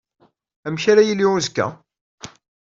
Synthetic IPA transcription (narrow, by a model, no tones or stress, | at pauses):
æmçæɾæjilːiuzkːæ̰